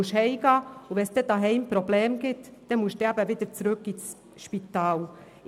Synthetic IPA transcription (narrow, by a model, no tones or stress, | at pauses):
ʊʃhɛɪɡ̥ɑːʊvɛnsd̥ɛd̥ɑɦɛɪmpɾoblɛːmɡ̥ɪtd̥ɛmʊʃd̥ɛæbəvɪd̥əɾt͡sɾʉkis | ʃpitɑːl